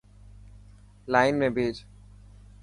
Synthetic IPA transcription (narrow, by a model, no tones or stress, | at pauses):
laːɪnmẽbʱeːd͡ʒ